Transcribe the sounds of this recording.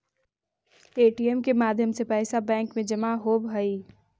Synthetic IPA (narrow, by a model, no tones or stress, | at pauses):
eːʈiɛmkemaːd̪ʱjəmsepɛːsabɛ̃ːŋkmẽd͡ʒɐmaɦobʱəi